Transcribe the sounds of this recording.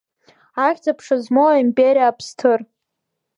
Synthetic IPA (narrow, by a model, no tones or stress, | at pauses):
aχʲt͡sʼapʰʂazmoaimpʼeɾijaːpʰstʰɨr